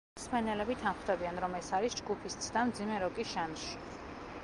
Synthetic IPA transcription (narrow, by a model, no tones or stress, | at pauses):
smɛnɛlɛbit̪ʰanχd̪ɛbianɾɔmɛsaɾisd͡ʒɡupʰist̪sʰd̪amd̪zimɛɾɔkʼisʃanʃi̥